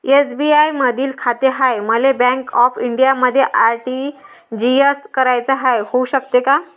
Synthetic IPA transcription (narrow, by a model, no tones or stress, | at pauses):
esbiaiməd̪ʱiːlkʰat̪eɦajməlebɛ̃ŋkɔfiɳɖijaməd̪ʱːjeʔaɾʈi | d͡ʑieskəɾajt͡səɦajhouɕəkt̪eka